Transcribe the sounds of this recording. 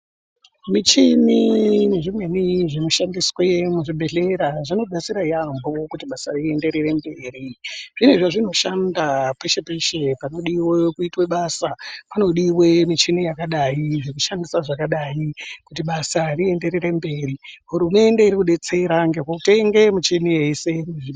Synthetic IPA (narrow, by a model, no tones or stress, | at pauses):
mit͡ʃimine̞ʐimwe̞niʐino̞ʃandiswemuʐibʱe̞ɮe̞ɾaʐino̞ɗat͡siɾaijambo̞kutiɓasarie̞nde̞ɾeɾe̞mbe̞ːriʐ̥ineʐaʐino̞ʃandapeʃepeʃe̞pano̞ɗiwekuitweɓaːsapano̞ɗiwe̞mit͡ʃinijakaɗaiʐekuʃandisaʐakaɗajikutiɓasarie̞nde̞ɾere̞mbe̞ːriɦuɾume̞ndeiɾikuɗe̞t͡seɾaŋɡekwokute̞ŋɡe̞mut͡ʃenije̞se̞meʐi